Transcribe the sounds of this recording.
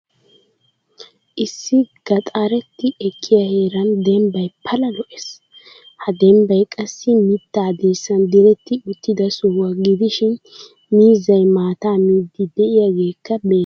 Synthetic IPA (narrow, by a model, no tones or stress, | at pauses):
ʔɪsːɪɡ̥ɐt̪ʼaːɾɛt̪ːɪɛkʰːɪjɐhe̞ːɾɐnd̪ɛmbɐjpʰɐlɐlɔʔes | hɐd̪ɛmbɐjkʼɐsːɪmɪt̪ːaːd̪eːsːɐnd̪ɪɾɛt̪ːɪʊt̪ːɪd̪ɐsʊwɐɡɪd̪ɪʃɪn | miːzɐjmaːt̪aːmiːd̪ːɪd̪ɛʔɪjaɡe̞ːkːɐbeː